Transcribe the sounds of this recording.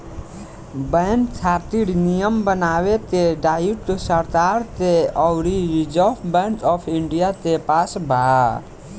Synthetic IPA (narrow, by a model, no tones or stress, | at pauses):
bəntʰaːɾt̪iɽnijəmbənaːwet̪eɖaːiʈsəɾt̪aːɾt̪eɔwɾiɾid͡ʒəpʰbɛɳʈɔːpʰiɳɖijat̪epaːsbʱaa